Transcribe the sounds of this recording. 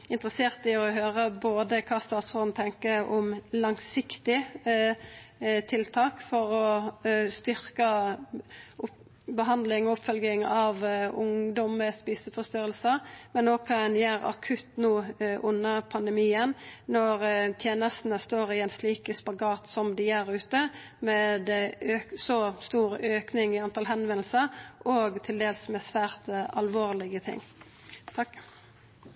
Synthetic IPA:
ɪnt̪ɾəseːʁt̪ɪɔɦøːʁəboːd̪əkʰɑːst̪ɑːt̪sɔd̪n̩t̪ʰɛŋkəɔmlɑŋsɪkt̪ɪ | t̪ʰɪlt̪ʰɑːkfɔɾɔst̪ʏɾkə | ʊ | bəɦɑnd̪lɪŋɔʊpfœlɡɪŋɑʋʊŋd̪ɔməspiːsəfɔst̪yːɾəlsəmɛnːoːkʰɑɛnjæːɾɑ̰kʰʉt̪nuːʔʊnːəʁpʰɑnd̪ɛmiːənnɔʁt̪ʰjeːnəst̪nəst̪oːʁɪɛnsliːkəspɑɡɑːt̪sɔmd̪ɪæːʁʉːt̪ə | mɛd̪øːsɔst̪uːɾøːknɪŋɪɑnt̪ʰɑːlɦɛnʋɛnl̩səʁʔɔːɡt̪ʰɪld̪eːlsmɛsʋæːʁt̪ɑlʋoːʁlɪɡət̪ʰɪ̰ŋː

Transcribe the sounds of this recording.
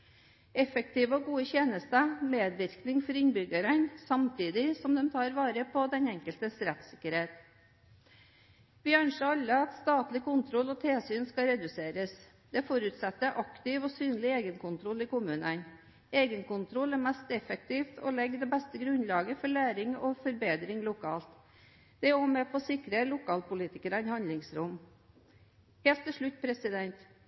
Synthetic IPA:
ɛfək̚t̪iːʋəɔɡuːəçeːnəst̪əmeːd̪ʋɪɾknɪŋfɔɾɪnbʏɡəɾənsɑmt̪ʰiːd̪ɪsɔmd̪ɛmt̪ʰɑːɾʋɑːɾəpʰɔd̪ɛnɛŋkəlt̪əsɾɛt̪sɪkːəɾheːt̪ | ʋɪœnʂəɑlːəɑt̪st̪ɑːt̪lɪkʊnt̪ʰɾɔlɔt̪ʰeːsyːnskɑɾɛd̪ʉseːɾəs | d̪̥ɛfɔɾʉt̪sɛt̪ːəʔɑkt̪ɪʋɔsyːnlɪeːɡənkʊnt̪ʰɾɔlɪkʊmʉːnən | eːɡənkʊnt̪ʰɾɔlæɾmæst̪ɛfɛk̚t̪ʰiːft̪ʰɔ̰lɛɡːd̪ɛbɛst̪əɡɾʉnlɑːɡəfɔɭæːɾɪŋɔfɔɾbeːd̪ɾɪŋlʊkʰɑːlt̪ | d̪̥ɛoːmepʰɔsɪkɾəlʊkʰɑːlpʊliːt̪ɪkəɾɑnhɑnlɪŋsɾʊm | heːlt̪ːɪlʂɭʉt̪ːpʰɾɛsɪd̪ɛnt̪

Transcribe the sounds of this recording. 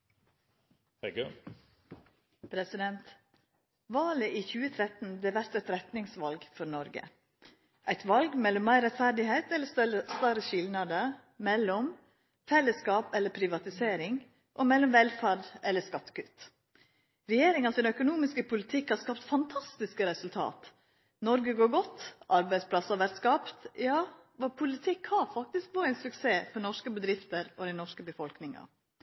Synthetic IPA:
hɛɡ | pʰɾɛsɪd̪ɛnt̪ | ʋɑːləʔiːçʉːət̪ʰɾɛt̪n̩b̪ɛːʋæɾt̪ɛt̪ɾɛt̪nɪŋsʋɑlɡfɔɾnɔɾɡə̰ | ʔæɪt̪ʋɑlɡmɛlːɔmːæɪɾɛt̪fæɾɖɪheɪt̪ɛlːəst̪ɑɾəʃɪlnɑd̪ə | mɛlːɔm | fɛlːəskɑːpɛlːəpʰɾɪʋɑt̪ɪseːɾɪŋ | ʔɔmɛlːɔmʋɛlfæɖʔɛlːəskɑt̪ːə̥kʉːt̪ | ɾɛjeːɾɪŋɑnsɪnœkʊnuːmɪskəpʰʊlɪt̪ʰɪkhɑɾskɑːpt̪fɑnt̪ʰɑst̪ɪskəɾɛsʉlt̪ʰɑ̰ːt̪ | nɔɾɡəɡoːɾɡɔt̪ːʔɑɾbæɪspʰlɑsɑʋæɾt̪skɑːpt̪jɑː | ʋɑpʰʊlɪt̪ʰɪkhɑɾfɑk̚t̪ɪsk̚boːɾəænsʉkseːfɔɾnɔʂkəbəd̪ɾɪft̪əɾɔd̪ɛɪnɔʂkəbəfɔlknɪŋɑ̰

